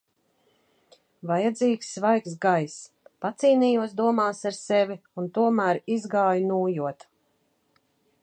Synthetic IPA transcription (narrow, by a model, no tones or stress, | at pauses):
vajad̪ziːksːvajksɡajs | pat̪siːniːjuɔsd̪uɔmaːsaɾsɛvʲiunt̪uɔmæːɾizɡaːjunuːjuɔt̪